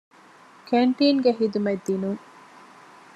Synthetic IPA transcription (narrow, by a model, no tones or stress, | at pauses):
kʰeɳʈiːŋɡeɦid̪umed̪ːinuŋ